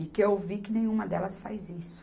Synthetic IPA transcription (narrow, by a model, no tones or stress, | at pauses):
ɪkɪewvikɪnẽj̃ũmɐd̪ɛlɐsfa̰jzisʊ̥